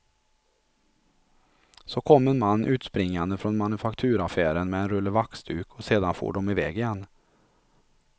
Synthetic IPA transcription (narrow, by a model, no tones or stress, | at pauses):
sokʰɔmːɛnmanːʔʉːt̪spɾɪŋːand̪əfɾɔnmanɵfakt̪ʰʉːɾafæːɾənmɛɛnɾɵlːəɾvaksd̪ʉːkʰɔseːd̪anfo̰ːɖɔmɪvɛːɡɪjɛnː